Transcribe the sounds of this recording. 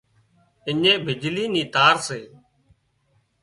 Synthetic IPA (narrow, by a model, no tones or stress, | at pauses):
ɪɲẽːbʱɪd͡ʒliːniːt̪aːɾseː